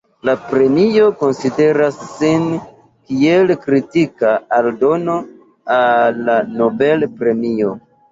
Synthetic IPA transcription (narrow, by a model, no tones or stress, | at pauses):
lapɾe̞mio̞ko̞nside̞ɾasːin | kielkɾitikaaldo̞no̞ | alːano̞be̞lpɾe̞mio̞